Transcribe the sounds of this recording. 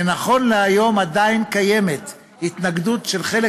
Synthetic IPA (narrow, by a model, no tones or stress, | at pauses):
enaχo̞nleajo̞mad̪ainkaje̞met̪ | hit̪naɡd̪ut̪ʃe̞lχe̞le